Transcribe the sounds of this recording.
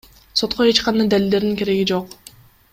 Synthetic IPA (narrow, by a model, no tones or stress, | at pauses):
so̞t̪qoe̞t͡ʃqɑnd̪ajd̪ælild̪e̞ɾd̪iŋkʰe̞ɾe̞ɡid͡ʒo̞q